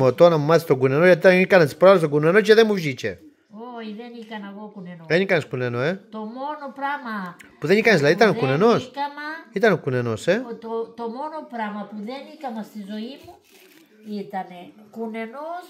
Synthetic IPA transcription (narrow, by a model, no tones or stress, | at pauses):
ot̪onɐmumaθest̪oɡunenoʝɐt̪̬iikant̪ispɾoles̬t̪oɡunenoceðemuʒit͡ʃḛ | oiðenikɐnɐɣokunenoenikaneskunenoet̪omonopɾamɐpuðenikanezlɐðit̪ɐnkunenoskɐmɐit̪ɐnokunenoset̪ot̪omonopɾɐmɐpuðenikɐmɐst̪izo̞imu | it̪ɐnekunenos